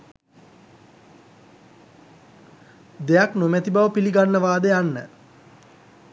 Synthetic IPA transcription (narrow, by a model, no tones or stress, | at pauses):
d̪ejaknomæt̪ibaʋəpiliɡanːəʋaːd̪əjanːə